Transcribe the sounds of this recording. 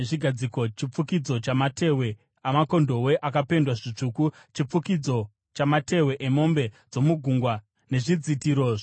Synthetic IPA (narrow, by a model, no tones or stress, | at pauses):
eʐiɡʱad͡ziko̞t͡ʃip͡fukid͡zo̞t͡ʃamatʰe̞we̞ | amako̞ndo̞we̞ʔakape̞ndwaʐit͡ʂuːku | t͡ʃip͡fukid͡zo̞ | t͡ʃamate̞we̞ʔemo̞mbe̞d͡zo̞muɡʱuːŋɡwa | ne̞ʐid͡zitiɾoːʐ